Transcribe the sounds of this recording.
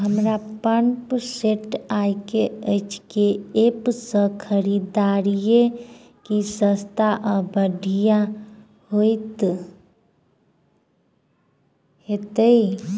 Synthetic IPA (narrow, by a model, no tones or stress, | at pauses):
ɦəmɾapəɳpseʈajkeəɪt͡ʃkeepsə̃kʰəɾid̪aːɾije | kisə̃st̪ʰaʔəbəɖʱija | hoit̪ | ɦet̪əi